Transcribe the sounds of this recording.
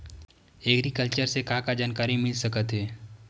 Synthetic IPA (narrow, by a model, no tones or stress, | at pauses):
eːɡɾikəlt͡ʃəɾsekakad͡ʒaːnkaːɾimɪlsɐkət̪ɦɛː